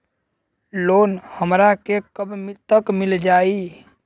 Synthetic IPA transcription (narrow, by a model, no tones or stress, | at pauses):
loːnhəmɾakekəbmt̪ːəkmɪld͡ʒaːi